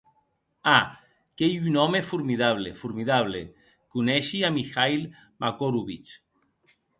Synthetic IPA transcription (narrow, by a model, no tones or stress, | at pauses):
a | kejynɔmefuɾmiðaβ̞lefuɾmiðaβ̞lḛ | kunɛʃiamixajl | makoɾuβit͡ʃ